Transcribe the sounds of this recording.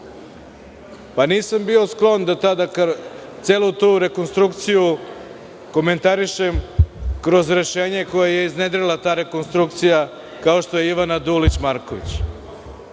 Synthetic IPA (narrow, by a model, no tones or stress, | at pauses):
paniːsambio̞sklˠo̞nd̪at̪ad̪akt̪seːlˠut̪uːɾe̞ko̞nst̪ɾuk̚t̪siju | ko̞me̞nt̪aɾiʃe̞mkɾo̞zɾe̞ʃe̞ːɲe̞ko̞jaje̞izned̪ɾelˠat̪aːɾe̞ko̞nst̪ɾukt̪sija | kao̞ʃt̪o̞jeiʋanad̪ulit͡ɕmaɾko̞ʋḭt͡ɕ